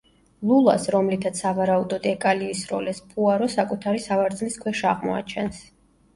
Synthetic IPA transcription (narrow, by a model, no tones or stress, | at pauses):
lˠulˠa̰sɾɔmlit̪ʰat̪sʰavaɾaud̪ɔd̪ɛkʼaliːsɾɔ̰lɛspʰuaɾɔsakʼut̪ʰaɾisavaɾd̪zliskʰwɛʃaʁmɔ̰a̰t͡ʃʰɛns